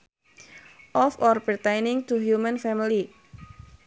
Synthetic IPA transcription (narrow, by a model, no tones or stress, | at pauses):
ʔɔfɔrpərt̪ejnɪŋt̪uɦjumənfɛmili